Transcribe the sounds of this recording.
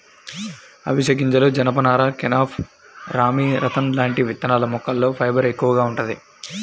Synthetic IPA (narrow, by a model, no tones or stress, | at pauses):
ɐ̰ʋiʃɐk̬iɲt͡ʃɐloːd͡ʒɐnɐpɐnaːɾaːkenaːpʰ | ɾaːmiɾɐt̪ʰɐnlaːɳʈiʋit̪ːɐnaːlɐmɔkːɐlːo̞ːpʰɐjbɐɾe̞kːuʋɐɡaːuɳʈund̪i